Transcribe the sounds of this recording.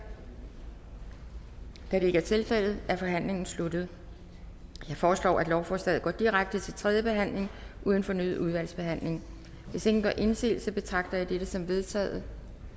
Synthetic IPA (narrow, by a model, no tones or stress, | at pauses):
d̥æɾe̝ɡ̥æɐt͡sʰe̝lfel̰ð̩ˠæɐfɒ̽ɦæn̰le̝ŋn̩slud̥ð̩ˠ | jɑ̈ɪfɒːslɒ̰ːæd̥lɒʊfɒːsd̥ɛð̩ˠɡɒ̰ːd̥iʁaɡ̥̚d̥ət͡sʰe̝lt͡sʰʁɛðˠjəb̥e̝ɦæn̰le̝ŋʔuːð̞ˠn̩fɒ̽nyːð̩ˠuð̞ˠʋæl̰sb̥e̝ɦæn̰le̝ŋ | ʋe̝se̝ɡ̥n̩ɡ̥ɒ̰ːʔe̝nsḛːlsɒ̽b̥e̝t͡sʰʁɑ̈ɡ̥̚d̥ɐjɑ̈ɪd̥eɾ̥əsɒ̽mʋe̝ð̞ˠt͡sʰɛ̰ːð̩ˠ